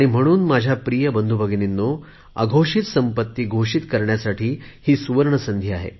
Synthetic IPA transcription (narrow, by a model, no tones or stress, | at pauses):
aɽ̃im̤əɽ̃uːnmad͡ʑʱjapɾijəbənd̪ʱubʱəɡninːo | a̰ɡʱoʂit̪səmpət̪ːiːɡʱoʂit̪kəɾɳjasaʈʰiːhiːsuʋəɾɳəsənd̪ʱjiaɦḛ